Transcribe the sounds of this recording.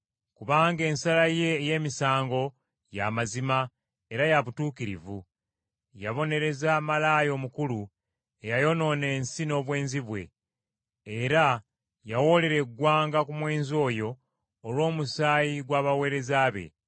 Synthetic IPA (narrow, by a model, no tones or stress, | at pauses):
kuβaːŋɡe̞ːnsalaje̞ːje̞ːmisaːŋɡo̞ | jamazima | e̞ɾajaβutuːkiɾḭvṵ | jaβo̞ne̞ɾe̞zamalaːjo̞ːmukulu | ejajo̞no̞ːne̞ːnsino̞ːβwe̞ːnziβwe̞̰ː | ɾa | jawo̞le̞ɾe̞ɡwaːŋɡakumwe̞ːnzo̞ːjo̞ː | lwo̞ːmusaːjiɡwaːβawe̞ːɾe̞zaːβe̞̰